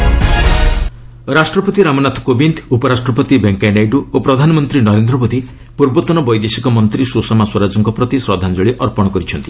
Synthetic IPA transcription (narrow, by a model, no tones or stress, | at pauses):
ɾasʈɾɔpɔt̪iɾamɔnat̪ʰɔ̥kobint̪ʰupɔɾasʈɾɔpɔt̪ibeŋkajnajɖuopɾɔd̪ʱanɔmɔnt̪ɾinɔɾend̪ɾɔbod̪i | puɾbɔt̪ɔnɔbɔjd̪esikɔmɔnt̪ɾisusɔmaswɔɾad͡ʒɔŋkɔpɾɔt̪isɾɔd̪ʱand͡ʒɔɭiʔɔɾpɔɽ̃ɔkɔɾit͡ʃʰɔnt̪i